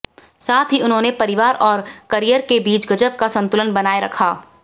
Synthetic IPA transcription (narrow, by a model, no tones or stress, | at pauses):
saːt̪ʰɦiʊnɦõːnepɐɾɪʋaːɾɔːɾkɐɾijəɾkebiːt͡ʃɡɐd͡ʒəp̚kasɐ̃nt̪ʊlənbɐnaːeɾɐkʰaː